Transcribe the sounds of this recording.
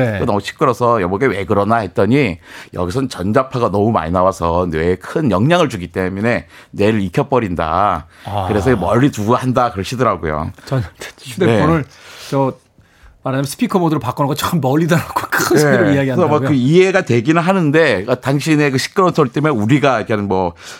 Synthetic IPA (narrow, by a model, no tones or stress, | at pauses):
ekenʌmuɕʰi̥k͈ɯɾʌsʰʌjʌmʌɡewe̞̰ɡɯɾʌnahe̞t̚t͈ʌɲijʌ̰ɡis̬ʰʌnt͡ɕʌnd͡ʑapʰaɡanʌmuma̰ɲinawasʰʌnwe̞kʰɯnjʌŋɲaŋɯɭd͡ʑuɡit͈e̞mune̞ | ne̞ɾɯɾikʰʌp͈ʌɾinda̰ | kɯɾe̞sʰʌmʌʎːituahandakɯɾʌɕʰidɯɾaɡojo̰t͡ɕɕʰdeeonɯɭt͡ɕʌ | manamsʰɯ̥pʰikʰomodɯɾɭpak͈ʌnaɡot͡ɕʌk͈ɯmːʌɭːidʌɾaɡokʰʌeɾɯiaɡianesʰʌmwʌkɯiɦe̞ɡatwe̞ɡinɯɭɦanɯnde̞taŋɕʰine̞kɯɕʰi̥k͈̚ɯɾʌnsʰoɭt͈emneuɾiɡaikeanmwʌ